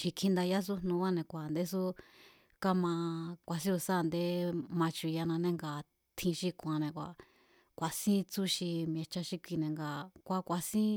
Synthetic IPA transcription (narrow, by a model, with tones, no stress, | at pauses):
ʃi˧kʰĩ˧nd̪a˧ja˦s̬u˦nnũ˧˦wa˦nẽ˧kʷa˨nd̪e˦s̬u˦ | ka˦mã˧kʷa˧s̬ĩ˦u˧sa˦˨nd̪e˦mã˧t͡ʃu˧ja˧nã˧nẽ˦˧ŋɡa˧˨ | t̪ʰĩ˧ʃi˧kʷã˧nẽ˧kʷa̰˨ | kʷa˨sĩ˦t͡su˦ʃi˧m˧ẽ˧t͡ʃa˧ʃi˧kʷi˧nẽ˨ŋɡa˧kʷa˧kʷa˧sĩ˦